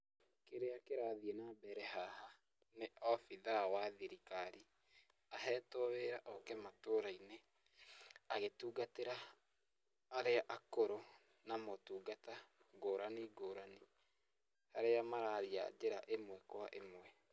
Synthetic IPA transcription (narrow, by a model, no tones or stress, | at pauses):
keɾeakeɾaðienabɛɾɛɦaha | neʔɔfiðawaðiɾikaɾi | aɦɛːtoweɾaʔɔkɛmatoɾaine | aɣetuːɡateɾa | aɾeaʔakoɾo | namotuːɡataɡoːɾaniɡoːɾani | haɾeamaɾaɾia̰d͡ʑeɾa̰ʔemwɛkwaʔemwɛ